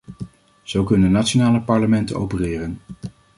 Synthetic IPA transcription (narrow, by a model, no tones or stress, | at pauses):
z̥owkɵnənatt͡ʃonaːləpɑɹləmɛntənowpərɪːrən